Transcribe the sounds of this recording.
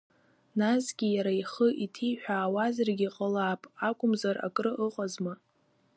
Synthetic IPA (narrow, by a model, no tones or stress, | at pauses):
nasɡʲijaɾaiχəʔitʰijħᶣaːwazarɡʲiqʼəlaːpʼakʷʼʊmzara̰kʼrɨʔəqʼazma